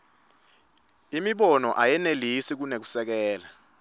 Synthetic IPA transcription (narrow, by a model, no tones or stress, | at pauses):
imiɓɔnɔʔajɛnelisik̬unek̬u̥sɛk̬ɛːla